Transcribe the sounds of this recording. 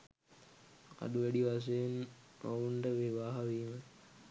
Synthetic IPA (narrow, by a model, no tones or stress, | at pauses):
a̰duʋæɖiʋas̬ejenouɳʈəʋeʋaːɦaʋiːmə